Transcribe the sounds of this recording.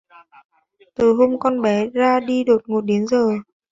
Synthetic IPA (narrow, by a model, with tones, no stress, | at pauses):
t̪ɨ˨˩ɦo˧mkɔ˧nɓɛ˨˦zaː˧ɗi˧ɗo˨˩t̚ŋo˨˩t̚ɗe˨˦ənzəː˨˩